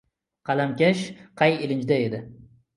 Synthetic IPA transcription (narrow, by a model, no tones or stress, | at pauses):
qʰɑlamkʲaʃqʰɑjɪlɪnd͡ʒd̪ae̞d̪ɪ